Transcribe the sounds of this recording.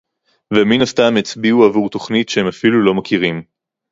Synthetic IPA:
veminastamet͡sbiuavuʁt̪o̞χnitʃehemafilulo̞makʰiʁim

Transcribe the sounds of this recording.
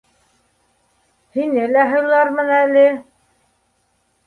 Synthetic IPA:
hinɘlæɦɤ̆lˠɑɾmɤ̆nælɘ

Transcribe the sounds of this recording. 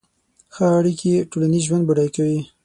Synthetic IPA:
xəaɽikieʈolaniʒwand̪baɽajkawi

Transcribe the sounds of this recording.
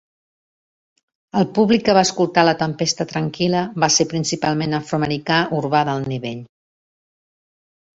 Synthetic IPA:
əlˠpuβlikːəβaəskulˠt̪alət̪əmpest̪ət̪ɾəŋkiləβasepɾinsipalˠmenəfɾuəməɾikaʔuɾβaðəlˠniβeʎ

